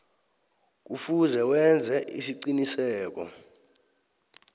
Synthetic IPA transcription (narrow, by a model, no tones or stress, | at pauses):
k̬ufuzɛwɛnd͡zʱɛʔḭsiǀinisɛːk̬ɔ̰